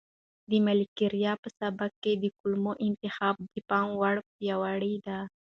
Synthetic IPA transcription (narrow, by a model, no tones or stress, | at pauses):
d̪əmalikiɾjɑpəsabak̚kːed̪əkulmoʔɪnt̪ɪxɑb̚d̪əpɑŋwaɽpjɑwaɽid̪a